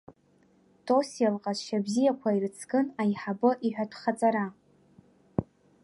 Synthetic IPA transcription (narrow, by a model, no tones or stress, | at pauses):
tʼosijalqʼazʃabzijakʷʰairɨt͡sʰɡɨnajħabɨʔiħʷᶣatʷʰχat͡sʼaɾa